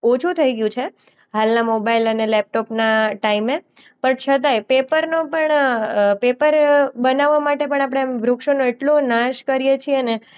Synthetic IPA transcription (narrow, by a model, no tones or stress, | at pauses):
ot͡ʃʰut̪ʰəiɡjũt͡ʃʰe | ɦalnamobailənelɛp̚ʈopnaʈaime | pəɳt͡ʃʰət̪̬ajpepəɾnopəɳpepəɾbənaʋːamaʈepəɳ̃ap̬ɽ̃emʋɾʊkʃonoeʈlonãʃkəɾijet͡ʃʰiene